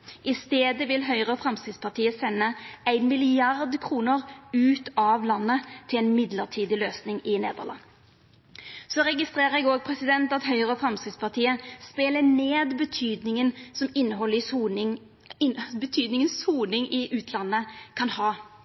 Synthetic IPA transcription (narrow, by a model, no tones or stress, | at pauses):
ʔɪst̪eːd̪əʋɪlɦœʏʁəfɾɑmskɾɪt̪spʰɑʁt̪ʰiːəsɛnːəæɪnmɪlɪɑʁd̪kʰʁuːnəʁʉːt̪ɑʋlɑnːət̪ʰɪlɛnmɪd̪ləʁt̪ʰiːd̪ɪløːsnɪŋɪneːd̪ə̰ʁlɑ̰ŋː | sɔɾɛɡɪst̪ʁeːʁəɾɛɡoːɡ̚pʰɾɛsɪd̪ɛnt̪ɑt̪ɦœʏʁəfɾɑmskɪt̪spʰɑt̪ʰiːəspeːləneːd̪bət̪ʰyːd̪nɪŋənsɔmɪnːəɦɔlːɪ | bət̪ʰyːd̪nɪŋənsuːnɪŋɪʔʉːt̪ʰlɑnːəkʰɑnhɑː